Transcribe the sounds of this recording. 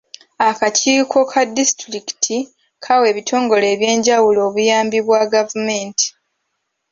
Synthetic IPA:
akaciːkʰo̞kʰadistɾiki̥tʰi | kʰawe̞ːβitʰo̞ːŋɡo̞le̞ːβje̞ːɲɟawulo̞ːβujaːmbiβwaɡavume̞ːnti̥

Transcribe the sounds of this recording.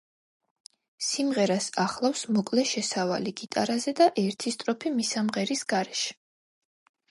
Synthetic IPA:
simʁɛɾasaχlˠafsmɔkʼlɛʃɛsava̰liɡ̥it̪ʼa̰ɾazɛd̪aʔɛɾt̪ʰist̪ʼɾɔpʰimisamʁɛɾisɡ̥aɾɛʃɛ̥

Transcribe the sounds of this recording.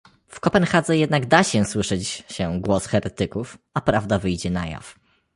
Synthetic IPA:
fkɔpɛnxad̪zɛjɛd̪naɡd̪aɕɛswɘʂɛt͡ɕɕɛɡwɔsxɛɾɛt̪ɘkufapɾavd̪avɘjd͡ʑɛna̰ja̰f

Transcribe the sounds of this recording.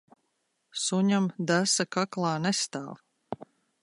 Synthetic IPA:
suɲamd̪asakaklˠɑːnɛst̪a̰ːlˠ

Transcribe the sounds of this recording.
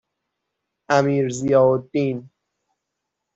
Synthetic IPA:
æmiːɾzijɒːod̪ːiːn

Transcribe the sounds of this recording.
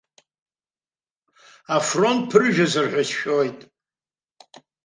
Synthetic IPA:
afront̚ʼpʰɨrʒᶣazɨrħʷᶣasʃojtʼ

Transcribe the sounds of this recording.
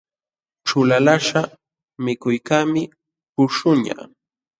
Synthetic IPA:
ʈ͡ʂʊlalaʂa | mɪkʊjkaːmɪ | pʊʃʊɲa̰

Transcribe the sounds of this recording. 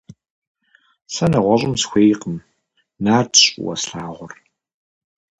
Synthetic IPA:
sɐnɨʁʷɔɕʼɪmsxʷeːjqəm | naːrtʰɕʼwɐ̰sɬaːʁʷɔr

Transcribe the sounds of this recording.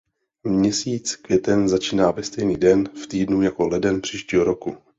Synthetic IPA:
mɲɛsiːt͡skvjɛt̪ɛnzat͡ʃiːnaːvɛst̪ɛjniːdɛnft̪iːdnujako̞lɛdɛnpr̝̥iːʃciːɦoɾo̞ku

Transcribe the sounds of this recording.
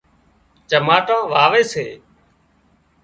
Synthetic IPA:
t͡ʃəmaːʈãːʋaːʋeːsḛː

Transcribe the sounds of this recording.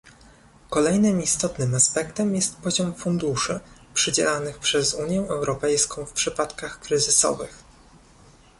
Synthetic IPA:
kɔlɛjnɘmist̪ɔt̪nɘmaspɛkt̪ɛmjɛst̪pɔʑɔmfund̪uʂɘpʂɘd͡ʑɛ̰lanɘxpʂɛzuɲjɛʔɛwɾɔpɛjskɔ̃w̃fpʂɘpat̪kaxkɾɘzɘsɔ̰vɘ̰x

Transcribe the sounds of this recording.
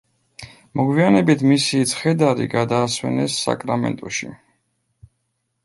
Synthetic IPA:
mɔɡwianɛbit̪ʰmisit̪sʰχɛd̪aɾḭɡad̪aːswɛ̰nɛsːa̰kʼɾamɛ̰nt̪ʼuʃḭ

